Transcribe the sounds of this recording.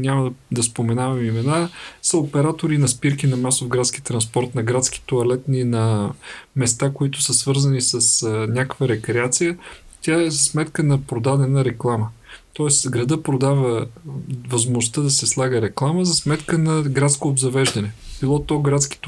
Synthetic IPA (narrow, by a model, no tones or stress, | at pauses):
nʲaməd̪ɐspomɛnavɐmimɛnasɐopɛɾat̪oɾinɐspiɾkinɐmasofɡɾat̪sk̟it̪ɾɐnspɔɾt̪nɐɡɾat̪ski̥t̪oɐlɛt̪ninɐ | mɛst̪akoit̪ʊ̥səsvɤɾzɐnisəsnʲakəkvəɾɛkɾɛat̪sijət̪ʲaɛzɐsmɛt̪kənɐpɾod̪ad̪ɛnəɾɛklˠamət̪ɔɛsɡɾɐd̪əpɾod̪avə | vɐzmʊst̪əd̪ɐsɛslˠaɡəɾɛklˠaməzɐsmɛt̪kənɐɡɾat̪skoːbzɐvɛʒd̪ɐnɛb̥ilˠɔt̪ɔɡɾat̪sk̟i̥t̪